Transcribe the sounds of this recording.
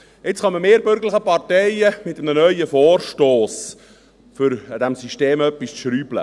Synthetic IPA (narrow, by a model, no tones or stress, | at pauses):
ɪt͡sχɑməmeːɾbʏɾɡələχəpɑrtɛjəmɪtːəmnənœʏəfoːrʃtoːs | fʏɾd̥æmsiʃteːmœpːisʃɾyːblə̰